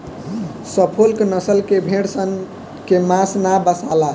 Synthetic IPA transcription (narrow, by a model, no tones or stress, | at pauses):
səpʰolknəsəlkebʱeɽsən | kemãsnabəsala